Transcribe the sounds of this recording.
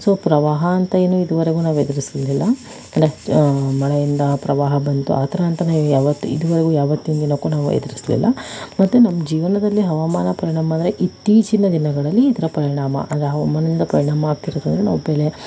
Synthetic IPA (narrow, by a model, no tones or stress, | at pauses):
so̞ːpɾɐʋaːɦɐːnt̪ɐe̞ːnuid̪uʋɐɾeɡuːnaːʋued̪iɾislilːɐ | ɐnemɐɭɛjind̪ɐpɾɐʋaːɦɐbɐnt̪ṵʔaːt̪ʰɐɾɐːnt̪ɐnaːʋujaːʋɐt̪ːuḭd̪uʋɐɾeɡuːjaːʋɐt̪ːind̪inɐkːuːnaːʋṵḛd̪iɾislḭlːɐ̰mɐt̪ːunɐmːɐd͡ʒiːʋɐnɐd̪ɐlːiɦɐʋɐmaːnɐpɐɾiɳaːmɐnd̪ɐɾeʔit̪ːiːt͡ʃinɐd̪inɐɡɐɭɐlːiːd̪ɐɾɐpɐɾiɳaːmɐ̰ʔɐ̰nd̪ɾeɦɐʋɐmaːnind̪ɐpɐɾiɳaːmɐaːɡ̚t̪iɾoːd̪ond̪ɾena̰ːʋube̞ːle